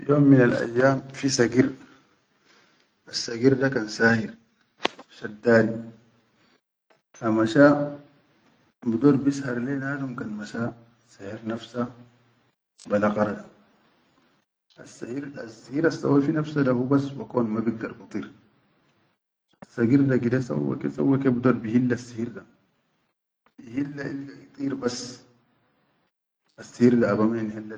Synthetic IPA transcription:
joːmːinalʔa̰jːaːmfisaɡiɾ | ʔasːaɡiɾdakansaːhiɾ | ʃak̚d̪aːli | amaʃa | bid̪oːɾbishɑɾˤlenaːlumkanmaʃa | sahiɾnafsa | balaqɑɾˤad̪a | ʔasːahiɾasːihiːɾasːa̰wafinafsadahubasbakoːnmabiɡdɐɾbɑt̪ˤiːɾ | asːaɡiɾdaɡid̪asa̰wːa̰kḛsa̰wːakebd̪oːɾbihilːasːihiɾd̪a | bihilːaʔilɡaʔit̪ˤiːɾbasː | asːihiːɾd̪aːbamanhilːa

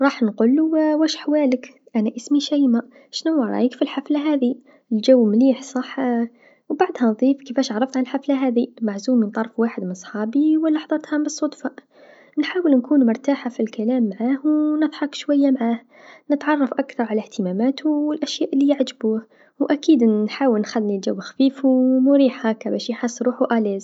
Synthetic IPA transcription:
ɾˤɑːħnquːlːuwæʃħwaːlɪk | ʔanaʔɪsmiʃajma | ʃnuwɑɾˤɑ̰ʔikfilħaflaɦaːði | ld͡ʒawːmliːħsˤɑħ | wbaʕd̪hænðˤiːfkifæːʃʕɾˤɑft̪ʕanɪlħaflaɦaːðimaʕzuːmint̪ˤɑɾˤfwaːħɪd̪mɪnsˤħɑːbiwalːɑħðˤɑt̪hɑbɨsˤːʊd̪fɑ | nħaːwɪlnkuːnmʊɾˤt̪aːħafilkalaːmːaʕaːhwnɨðˤħɑkʃwajːamaʕaːh | nɪt̪ʕɑrˤːɑfʔakθɑɾˤʕalaht̪ɪmaːmaːt̪ʰuwɪlʔaʃjaːʔɪlːijaʕd͡ʒbuːh | ʔakiːd̪nħaːwɪlnxalːnild͡ʒawːxafiːfumʊɾiːħhaːkːabaːʃjħasːɾˤuːħuʔaːlaːz

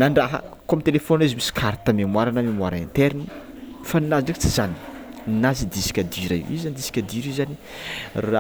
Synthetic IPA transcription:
naɳɖ͡ʐaɦə̰kuamit̪elefonizimisi̥kʰaɾt̪əmemwaɾanəmemwaɾaint̪eɾini | faninaziɖ͡ʐekt͡sizani̥nnazid̪isi̥kʲad̪iɾa̰ḭzand̪isi̥kʲad̪iɾizani | ra

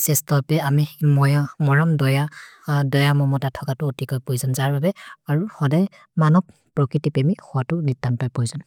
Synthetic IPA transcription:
sɛstɔpɛamimɔjamɔɹɔmdɔjadɔjamɔmɔtatʰɔkatʊotikɔjpojzanzaɹbabɛaɹuhɔdaj | manɔk | pɹɔkɹitipemixɔatʊnitːanpajpojzan

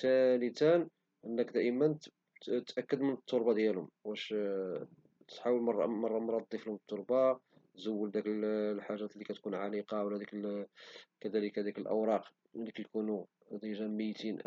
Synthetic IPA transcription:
t̪ænit̪æn | ʔənːəkd̪æʔəmənt̪ | t̪ːʔækːəd̪mənət̪ˤːoɾbɑd̪jælʊmwæʃ | t̪t̪ħawəlmɑrˤːɑ̰mɑrˤːɑmɾˤɑd̪ˤːiflhʊmnt̪ˤːoɾˤbɑ | t̪zəwːəld̪ækəllħaʒːæt̪likæt̪kunʕaliqɑwlːæd̪ikl | kæd̪æləkæd̪ikəlʔə̰wɾˤɑq | niklkunu | d̪iʒæmːəjt̪in

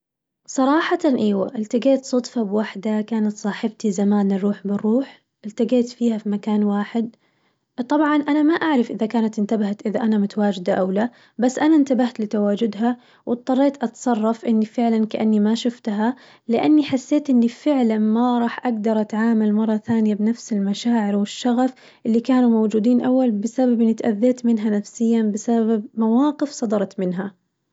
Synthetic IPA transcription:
sˤɑɾˤɑːħɑt̪ɑnʔaːwa̰ʔɪlt̪aɡeːt̪sˤʊt̪ˤfɑbwaħd̪akaːnat̪sˤɑːħɪbt̪izamaːnɑɾˤuːħbɪrːuːħ | ʔɪlt̪aɡeːt̪fiːhafimakaːnwaːħɪd̪̚ | t̪ˤɑbʕɑnʔanamaʔaʕɾɪfʔɪðakaːnat̪ɪnt̪abahat̪ʔɪðaʔanamʊt̪awaːd͡ʒɪd̪aʔawla | basːʔanant̪abaht̪lɪt̪awaːd͡ʒʊd̪ɦa | wʔɨt̪̚ˤːɑrˤːeːt̪ʔɑt̪sˤɑrˤːɑfʔɪnːifɪʕlankaʔanːimaʃʊft̪ɦa | lɪʔanːiħasːeːt̪ʔɪnːifɪʕlanmaɾˤɑːħʔaɡd̪ɑɾˤʔat̪ʕaːmalmɑrˤːɑθaːnɪjabɪnafsɪlmaʃaːʕɪɾwɪʃːɑɣaf | ʔɪlːikaːnumowd͡ʒuːd̪iːnʔawːalbɪsababʔɪnːit̪ʔaðːeːt̪mɪnɦanafsɪjːanbɪsababab̚mawaːqɪfsˤɑd̪ɑɾˤɑt̪mɪnɦa

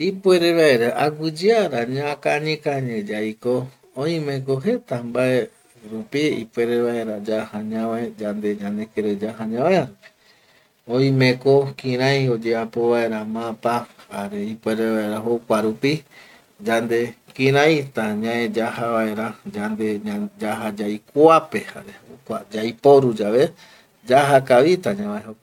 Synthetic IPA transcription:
ipweɾeβaeɾaʔaɡʷɨd͡ʒɨaɾaɲãkaɲĩkaɲẽd͡ʒaiko | oĩmẽk̬oɦet̪ambae | ɾupiḭpweɾeβaeɾad͡ʒahãɲãʋaed͡ʒand̪ed͡ʒãnd̪ekeɾed͡ʒaɦãɲãaeaɾupi̥ | õĩmẽkokĩɾãjod͡ʒeapoβae̞ɾamãpahaɾeipweɾeβaeɾaɦokʷaɾupi | d͡ʒand̪ekĩɾãjt̪ãɲãẽd͡ʒahaβae̞ɾad͡ʒand̪ead͡ʒaɦad͡ʒajkoapeha̰ɾeokʷad͡ʒajpoɾud͡ʒaʋe | d͡ʒaɦakaʋit̪ãɲãaeɦok

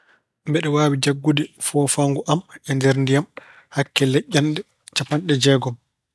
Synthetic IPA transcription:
mbɛɗɛwaːwid͡ʒaɡːudifɔːfaŋɡuʔamɛndɛɾndijam | hakːɛlɛʔːanɗɛ | t͡ʃapanɗɛd͡ʒɛːɡɔm

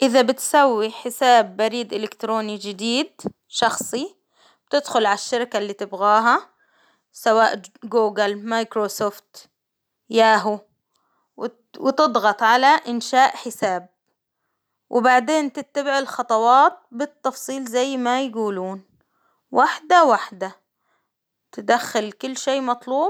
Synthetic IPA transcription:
ʔɪðabɪt̪sawːiħɪsaːbːaɾiːd̪ʔɪlɪkt̪ɾoːnid͡ʒɪd̪iːd̪̚ | ʃɑxsˤi | b̥t̪ɪd̪xʊlʕaʃːaɾkalːiːt̪ɪbɣaːɦa | sawaːʔɡuːɡɪlmajkɾosoːft̪ | jaːɦu | wɪt̪ɨd̪ˤɣɑt̪ˤʕalaʔɪnʃaːʔħɪsaːb̚ | wʔɪbaʕd̪eːnt̪ɪt̪ːabɪʕɪlxɑt̪ˤɑwɑːt̪̚bɪt̪ːɑfsˤiːlzajːmajaɡuːluːn | wʔaħd̪awaħd̪a | t̪ɪd̪axːalkʊlːʃeːmɑt̪ˤluːb

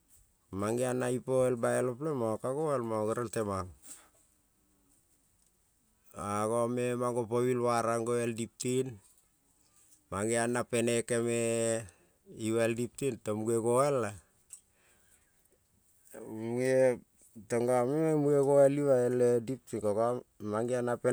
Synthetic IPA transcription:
maŋɡianːaipoelbaeloplemaokaɡoelmaoɡeɾeltemaŋ | aɡomemaŋɡopoβilwaɾaŋɡoeldip̚tin | maŋianːapenekeme | iwaeldip̚tintomuɡeɡoela | ue | toŋɡameemuɡeɡoeliβaeledip̚tinkokamaŋɡianape

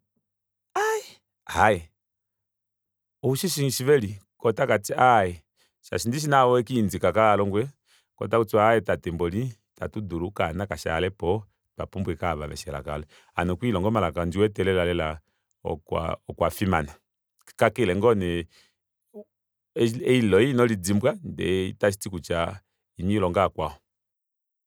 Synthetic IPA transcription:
aɛ | ajɛ | ɔuʃiʃiʃivɛlikɔtakatiajɛ | ʃa̰ʃindiʃ̬inawɔɛkiːnd͡zikakaːlɔŋɡwɛ | kɔ̰t̬akut͡suaɛtatɛmbɔli | ta̰tuduɾukanakaʃa̰lɛpɔ | ta̰pumbuɛkaβa̰βɛ̰ʃɛla̰ka̰lɛ | anɔkwilɔŋɡɔmalakand͡ʒiwɛtɛlɛlalɛla | ɔ̰ka̰ɔkwafimana | kakɛlɛŋɡɔnɛ | ɛilɔinɔlid͡zimbwandɛ̰itaʃi̥tikut͡ʃa | iɲiilɔŋɡakwaɔ

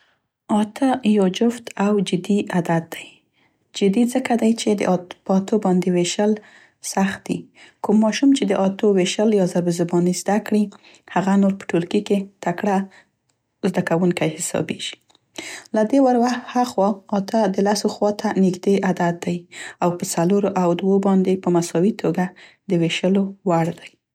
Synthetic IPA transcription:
ɑt̪ʰajɑd͡ʒʊft̪ʰawd͡ʒɪd̪iad̪ad̪̚d̪aj | d͡ʒɪd̪izəkad̪ajt͡ʃed̪ə̰ʔpəɑt̪obɑnd̪eweʃəl | saxt̪̚d̪ḭkumːɑʃumt͡ʃed̪əʔɑt̪oweʃəljɑzabəzʊbɑnizd̪akɽi | haɣanoɾpə̥ʈolkiket̪akɽa | zd̪akawuŋkajhɪsɑ̰beʒ̥i̥ | lad̪ewaɾwaxt̪haxwɑɑt̪ʰad̪əlasoxwɑt̪ʰanɪɡd̪eʔad̪at̪̚d̪ajawpət͡saloɾoʔawd̪wobɑnd̪epəmasɑwit̪ʰoɡa | d̪əweʃəlowaɽd̪aj

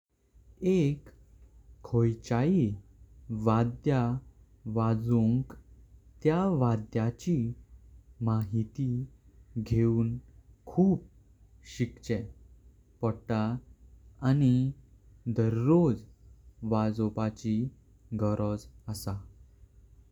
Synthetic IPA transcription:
ekʰː | ojt͡ɕai | ʋad̪ja | ʋad͡zuŋkt̪jaʋad̪jat͡ɕi | maɦit̪i | ɡʱeuːnkʰuːp̚ | ɕikt͡ɕɛ | pəɽʈaː | ni | d̪əɾːod͡zʋad͡zɔpat͡ɕi | ɡəɾɔd͡zəsa

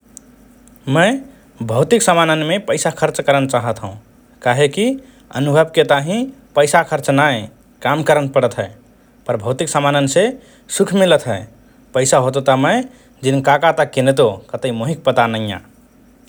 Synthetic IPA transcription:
məɪ | bʱəʊt̪iksəmanənmepəɪsakʰəɾt͡ʃkəɾənt͡ʃaɦət̪ɦũ | kaɦeki | ə̰nubʱəbket̪aɦĩpəjsakʰəɾt͡ʃnaj | kamkəɾənpəɽət̪ɦə | pəɾbʱəwt̪iksəmanənse | sukʰmilət̪ɦəe | pəɪsaɦot̪ot̪əməɪ | d͡ʒinkakat̪əkːinet̪okət̪əimoɦik̚pət̪anəjã̰

